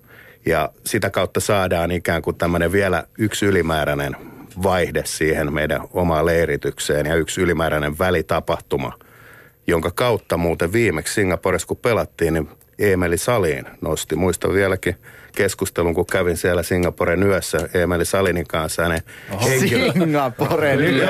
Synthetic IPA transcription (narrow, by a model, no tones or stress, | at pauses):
jɑsit̪ækɑut̪ːɑsɑːdɑːnikæːŋkut̪æmːøneʋʋiælæ̰yksylimæːɾænenʋɑihdessiːhenmeidæ̰omɑːleirit̪ykseːnjɑyksylimæːɾæneʋʋælit̪ɑpɑht̪umɑ̰ | joŋkɑkɑut̪ːɑmuːt̪eʋʋiːmekssiŋːɑporeskupelɑt̪ːiːnni | eːmelisɑliːnnost̪imuist̪ɑ̰ʋʋiælækikeskust̪eluŋkukkæʋinsiælæsiŋːɑpoɾenyøsːæeːmelisɑliniŋkɑ̃nshæneheŋiŋːɑpore